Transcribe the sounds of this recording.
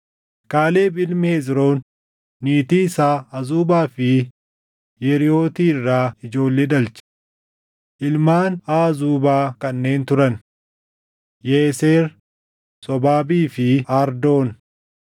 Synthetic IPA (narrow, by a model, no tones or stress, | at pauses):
kaːle̞ːbɪlmɪhezɾo̞ːnː | iːt̪iːsaːɐzuːbaːfɪ | jɛɾɪjo̞ːt̪iːɪrːaːɪd͡ʒo̞ːlːeːᶑɐlt͡ʃɪ̥ | ʔɪlmaːnaːzuːbaːkɐnːe̞ːnt̪ʊɾɐn | jeːseːɾ | sɔbaːbiːfɪaːɾd̪o̞ːn